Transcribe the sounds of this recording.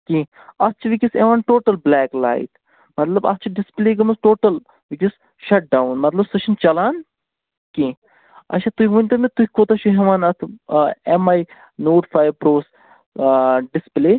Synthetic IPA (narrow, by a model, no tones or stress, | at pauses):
kʲi | ɐst͡ʃʰiʋikʲiseʋaːnʈoːʈɐlblɛːkla̰ːit̪ | mɐt̪lɐbɐ̰st͡ʃʰiɖispleːɡɐmɐsʈoːʈɐl | ʋikʲis | ʃɐʈ̚ɖawnmɐt̪lɐbsɐʃɐnt͡ʃɐlaːn | kẽ | ɐ̰ʃat̪uʋunʲt̪ɐmit̪uhʲikoːt̪ɐʃuɦeʋaːnɐt̪ʰemɐj | noːʈfaːjʋpɾoːs | ɖispleː